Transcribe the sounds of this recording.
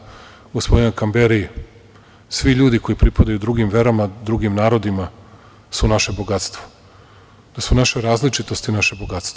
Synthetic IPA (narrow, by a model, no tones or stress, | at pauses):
usʋojokambeɾi | sʋiʎuːd̪iko̞jipɾipad̪ajud̪ɾuɡimʋe̞ɾamad̪ɾuɡimnaːɾo̞d̪ima | sunaʃe̞bo̞ɡat̪st̪ʋo | d̪̥asunaʃeɾaːzlit͡ʂit̪o̞st̪inaʃeboɡat̪st̪